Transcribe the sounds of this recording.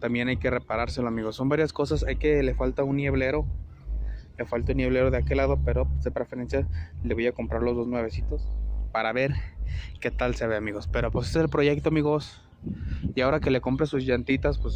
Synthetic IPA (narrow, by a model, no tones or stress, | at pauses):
t̪ambje̞najke̞re̞paɾaɾse̞loamiɣo̞sːo̞mbaɾjasko̞sasajke̞le̞falt̪aunːje̞βle̞ɾo̞ | le̞falt̪aunje̞β̞le̞ɾo̞ðe̞ake̞laðo̞pe̞ɾo̞pesdepɾefeɾe̞nsjale̞βo̞jako̞mpɾaɾlo̞zðo̞znwe̞βe̞sit̪o̞spaɾaβe̞ɾke̞t̪alseaβeamiɣo̞spe̞ɾopweseseselpɾo̞ʝe̞k̚t̪oamiɣo̞s | iao̞ɾake̞le̞ko̞mpɾesuzʝant̪it̪aspwes